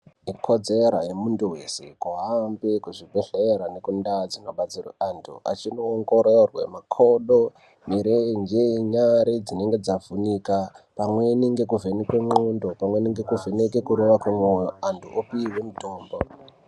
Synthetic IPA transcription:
ikʰo̞d͡zeɾajemunduwe̞se̞̰kuɦambekuʐibʱe̞ɬeɾane̞kundad͡zino̞ɓat͡sira̰antʰṵa̰t͡ʃino̞ːŋɡo̞ɾerwḛmakʰo̞ɗo | miɾend͡ʒeɲaɾed͡zine̞ŋɡe̞d͡zavunikapamwe̞niŋɡe̞kuvʱenikwe̞mondopamwe̞niŋɡe̞kuvenekekuɾoʋakwemwojoantʰuʔopiːwe̞mutoːmbo

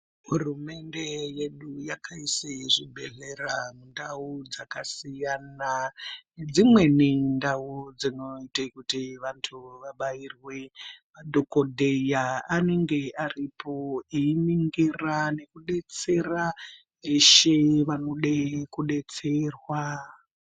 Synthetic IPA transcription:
ɦurume̞nde̞jeɗujakʰaiseʐibʱe̞ɮeramundaud͡zakasijaːna | d͡zimwe̞nindaud͡zino̞itekutiʋantʰuʋaɓairwemaɗʱokodʱejaːne̞ŋɡe̞aripo̞iiniŋɡirane̞kuɗe̞t͡se̞ra | eʃeʋano̞ɗekuɗe̞t͡serwa

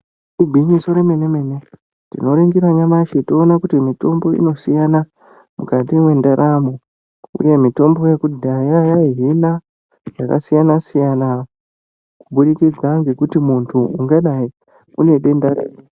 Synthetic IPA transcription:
iɡʱwiɲiso̞ɾeme̞ne̞me̞ne̞ | tḭno̞ɾiŋɡiɾaɲamaʃeto̞ːnakutimito̞mbo̞ḭno̞sijana | mukatiwe̞ndaɾʔamo | ṵje̞mito̞mbo̞jekudʱajajaɦina | jaka̰sijanasijana | kuɓuɗikid͡zaŋɡe̞kutimuntʰuuŋɡaɗai | une̞ɗe̞ndaɾḛːe

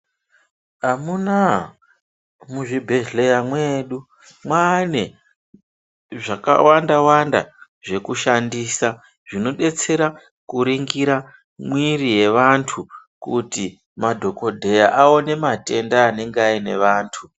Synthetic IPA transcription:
ɦamuna | muʐibʱe̞ʒle̞jamweːɗu | mwane̞ | ʐaka̰wandawanda̰ | ʐe̞kuʃandiːsa | ʐ̥ino̞ɗe̞t͡se̞ɾa | kuɾiŋɡiɾa | mwiɾije̞ʋantʰukuti | madʱo̞ko̞dʱe̞jaʔaone̞mate̞ndaːne̞ŋɡaine̞ʋaːntʰu

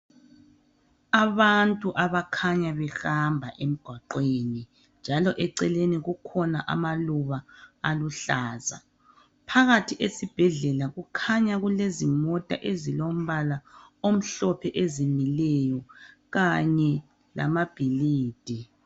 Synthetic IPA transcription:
aβantʼuʔaβakʰaɲaβɛxambʱaʔem̩ɡ̥ʱwaǃweni | nd͡ʒʱalɔʔɛǀɛleniɣukʰɔnaʔa̰maluβaːluɬaːza̰ | pʰaɣatʰiʔesib̥ʱɛɮɛlaɣukʰaɲaɣulezimɔtʼa̰ʔezilom̩βalaom̩ɬɔpʰɛʔezimilɛjɔ | ɣaɲɛ | la̰mab̥ʱiliːd̥ʱi

